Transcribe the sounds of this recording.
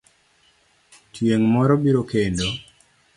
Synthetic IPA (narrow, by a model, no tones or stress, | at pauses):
tʰjeŋmɔɾɔbiɾokendo